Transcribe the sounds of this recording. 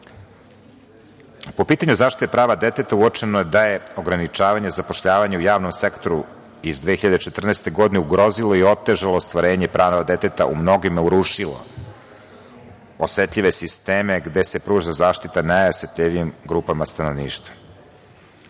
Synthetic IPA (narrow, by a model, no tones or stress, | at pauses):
po̞piːt̪aɲuzaːʃt̪it̪epɾaːʋad̪e̞t̪et̪auot͡ʃenoed̪ajeo̞ɡɾanit͡ʃaːʋaɲe̞zapo̞ʃʎaːʋaɲeujaːʋno̞msekt̪oɾu | izd̪ʋexiʎad̪et͡ʃe̞t̪r̩nest̪eɡo̞d̪ineuɡɾo̞zilo̞io̞t̪ːe̞ʒaloːst̪ʋaɾe̞ːɲepɾʔaːnoʋad̪et̪et̪a̰ʔṵmno̞ɡimeuɾuʃilo̰ | osʋet̪ʎʲiʋesist̪eːmeɡd̪e̞se̞pɾuːʒazaːʃt̪it̪anajoset̪ʎʲiʋimɡɾuːpamast̪ano̞ʋnḭːʃt̪vḁ